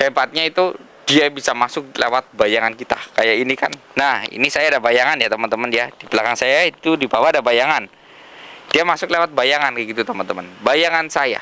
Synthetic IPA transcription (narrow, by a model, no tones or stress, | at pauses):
sepat̪̚ɲait̪u | d̥iabisamasʊk̚lewat̪̚bajaŋankit̪akajaʔinika̰nːahḭnisajaːdabajaŋanjat̪əmənt̪əməndiadibəlakaŋsajait̪udibawadabajaŋan | d̥iamasʊklewat̪̚bajaŋankəɡit̪ut̪əmənt̪əmənbajaŋansaja̰